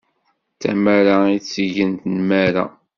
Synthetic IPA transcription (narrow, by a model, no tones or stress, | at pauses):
θæ̰maɾait͡sːəʝənt̪nmæɾa̰